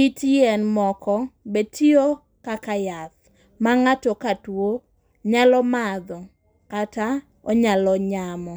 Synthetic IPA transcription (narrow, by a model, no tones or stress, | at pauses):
itijɛnmɔkɔbetʰio | kakajat̪ | maŋatɔkatwo | ɲalɔmad̪ɔ | kata | ɔɲalɔɲamɔ